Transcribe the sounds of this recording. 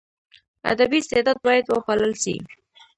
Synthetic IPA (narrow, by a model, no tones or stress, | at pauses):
a̰d̪abist̪ed̪ɑd̪̚bɑjad̪wəxaləlʃḭ